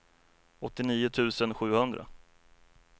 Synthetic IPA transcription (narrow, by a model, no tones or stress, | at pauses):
ɔt̪ːɪniːʊt̪ʰʉ̟ːsənɧʉ̟ːhɵnd̪ɾa̰